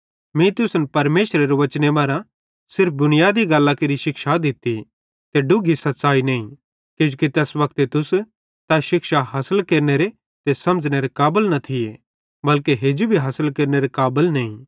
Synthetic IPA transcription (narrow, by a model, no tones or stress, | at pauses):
mĩt̪ʊsnpɐɾmeːʃɾeɾoʋɐt͡ʃnebaːɾã | sɪɾp̚ʰd̪ʊnɪjaːd̪iɡɐlːakeɾiʃɪkʃad̪ɪt̪ːi | t̪eɖʊɡʱisɐt̪ːsaːinɐːĩ | ked͡ʒukit̪ɛːsbɐk̚t̪et̪ʊs | t̪aʃɪkʃaɦɐsəlkeːɾneɾe | t̪eːsɐmd͡ʒneɾekaːbəlnɐt̪ʰɪe | bɐlkeɦeːd͡ʒubʱiɦasəlkeːɾneɾekaːbəlnɐĩ